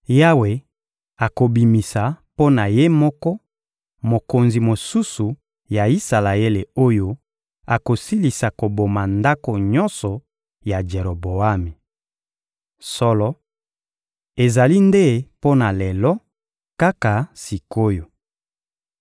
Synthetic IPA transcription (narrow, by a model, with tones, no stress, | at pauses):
ja˦we˨ | a˨ko˨bi˨mi˨sa˨po˦na˨je˦mɔ˦kɔ˦ | mo˨ko˨nzi˨mo˨su˦su˨ | ja˨i˦sa˨la˨e˦le˨o˦jo˦ | a˨ko˨si˦li˨sa˨ko˨bo˨ma˨nda˦ko˨ɲɔ˦nsɔ˨ | ja˨d͡ʒe˨ɾo˨bo˨a˦mi˨ | sɔ˦lɔ˦ | e˨za˨li˦nde˦po˦na˨lɛ˨lɔ˦ | ka˦ka˨si˨ko˦jo˨